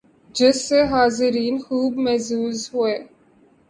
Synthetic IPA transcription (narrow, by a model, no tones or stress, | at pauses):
d͡ʒɪsːeɦaːzɪɾiːnxuːbmɛzuːzɦueː